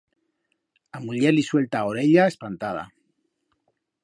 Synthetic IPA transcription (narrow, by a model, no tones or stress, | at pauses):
amuʎeliswe̞lt̪ao̞ɾe̞ʎaespant̪að̞a̰